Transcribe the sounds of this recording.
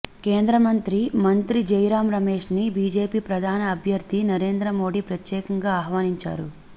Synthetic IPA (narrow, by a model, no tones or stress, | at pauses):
ke̞ːnd̪ɾɐmɐnt̪ɾimɐnt̪ɾid͡ʒɐjɾaːmɾɐmeːʂnibiːd͡ʒe̞ːpiːpɾɐd̪ʱaːnɐːbʱjɐɾd̪ʱinɐɾe̞ːnd̪ɾɐmo̞ːɽipɾɐt̪jɛːkɐŋɡaːɐɦʋaːniɲt͡ʃa̰ːɾu